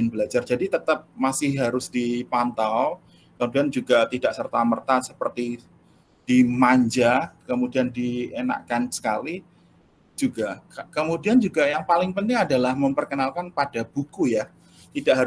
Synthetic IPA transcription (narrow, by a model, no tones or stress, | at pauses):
ɪnbəlad͡ʒard͡ʒadit̪ət̪əp̚masɪhɦaɾʊsd̥ipant̪aw | kəmudiand͡ʒuɡat̪idaʔsərt̪amərt̪asəpərt̪i | d̥imaɲd͡ʒakəmudiandiena̰ʔkansə̥kali | d͡ʒuɡakəmudiand͡ʒuɡajaŋpalɪŋpənt̪ɪŋadalahməmpərkənalkanpad̥ab̥ukuja | t̪idaʔɦaɾ